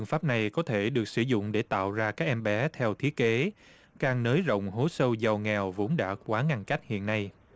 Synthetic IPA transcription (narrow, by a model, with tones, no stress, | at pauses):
ɨ˧˨əŋfaː˦˥p̚na˨˩jkɔ˨˦t̪ʰe˧˩ɗɨ˨˩ək̚sɨ˧˩zʊ̰˧˨ŋ͡mɗe˧˩t̪a̰ː˧˨wzaː˧kaː˦˥k̚ʔɛ˧mɓɛ˨˦t̪ʰɛ˧wt̪ʰi˦˥ət̚ke˨˦ | kaː˨˩ŋnəː˨˦jzə̰˧˨wŋ͡mɦo˨˦sə˧wza˨˩wŋɛ˨˩wvo˨˦nɗa̰ː˧˥kwaː˨˦ŋa˧nka˦˥jk̟̚hḭ˧˨ənːa˧j